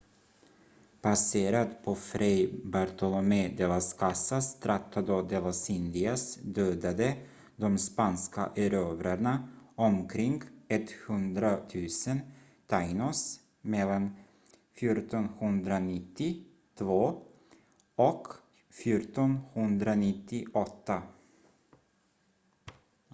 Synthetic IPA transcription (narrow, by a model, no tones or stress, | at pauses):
pʰaseːɾat̪pʰɔfɾʔɛjbaɾt̪ɔlɔmed̪eːlaskʰasːast̪ʰɾʔat̪ʰːad̪ɔd̪elasɪnd̪ɪasd̪øːd̪ad̪ə | d̪ɔmspanska̰ʔæɾøːvɾaɳaɔmkʰɾɪŋɡɛt̪hɵnd̪ɾat̪ʰʉ̟ːsən | t̪ʰaɪnɔs | mɛlːan | fjuːʈɔnhɵnd̪ɾanɪt̪ːɪ | t̪ʰvoː | ɔk | fjuːʈɔnhɵnd̪ɾanɪt̪ːɪʔɔt̪ʰːa